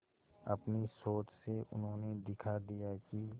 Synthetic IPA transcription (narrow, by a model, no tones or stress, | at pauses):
ɐ̰pnisoːt͡ʃseʔʊ̰nɦõːned̪ɪkʰad̪ijaki